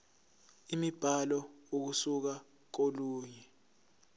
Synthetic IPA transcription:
imib̥ʱalɔok̬usuk̬a | k̬oluːɲɛ

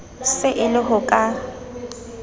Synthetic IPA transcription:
sɪʔɪlɪɦʊkʼa

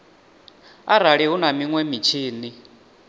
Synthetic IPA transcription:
aɾaɺiɦunamiŋwɛmit͡ʃʰiːni

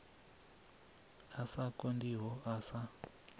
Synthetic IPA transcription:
asakondiɦɔʔasa

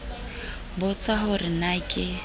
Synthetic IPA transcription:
bʊt͡sʼaɦʊrɪnakʼɪ

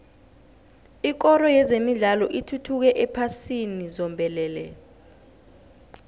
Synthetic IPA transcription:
ik̬ɔɾɔjɛzemiɮalɔʔitʰutʰuk̬ɛʔɛpʰasinizɔmbʱɛlɛːlɛ̰

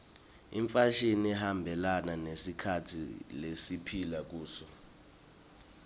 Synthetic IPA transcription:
ḭɱfaʃiniɛhambʱɛlananesikʰatʰḭlesipʰilak̬uːsɔ

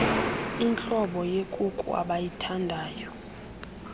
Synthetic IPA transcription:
int͡ɬʼɔɓɔjekʼukʼṵa̰ɓajitʰandʱaːjɔ

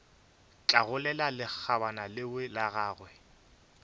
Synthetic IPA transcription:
t͡ɬʼaɣʊlɛlalɪk͡xʰabanalɪwɪlaɣaːɣwɛ

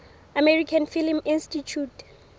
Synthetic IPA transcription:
amɛɹikʰanfilmĩnstit͡ʃʰut

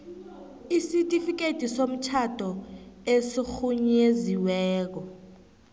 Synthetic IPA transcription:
isitʼifik̬etʼisom̩t͡ʃʰatʰʼɔesixuɲeziwɛːk̬ɔ

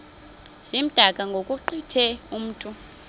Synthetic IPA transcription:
z̥im̩d̥ʱakʼaŋɡʱokʼuǃitʰɛum̩ːtʼu

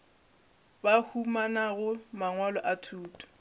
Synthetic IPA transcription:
bahumanaɣʊmaŋwalɔʔatʰuːtʼɔ̥

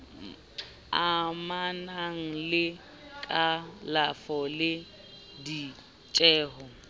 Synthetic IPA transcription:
amanaŋ̩lɪ | kʼalafɔlɪ | di | t͡ʃʼɛːɦɔ

